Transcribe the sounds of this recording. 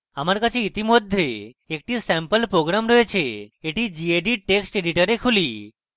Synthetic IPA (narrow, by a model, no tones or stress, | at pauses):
amaɾkət͡ʃʰiit̪imod̪ʱːje | ek̚ʈisɛmpəlpɾoɡɾamɾəɦet͡ʃʰeeʈid͡ʒieɖiʈeksʈeɖiʈəɾekʰuli